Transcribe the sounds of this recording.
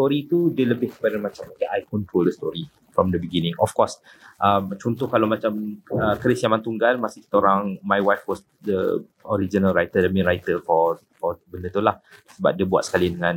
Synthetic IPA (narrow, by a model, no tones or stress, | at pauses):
st̪ɔɾit̪udiələbɪhkə̥padamãt͡ʃamakaʔajkɔnt̪ɾoldəst̪ɔɾi | fɾɔmdəbəɡinɪ̃ŋɔfkɔs | ʔəmt͡ʃɔnt̪ʊhkalawmat͡ʃaməkɾɪsjamãnt̪uŋɡalmasɪhkt̪oɾaŋmajwajfwɔs | də̰ | ɔɾid͡ʒinəlrajt̪ədəmĩɾajt̪əkɔ | kɔbəndət̪ulahsəba̰p̚diəbua̰t̪sə̥kalidəŋãn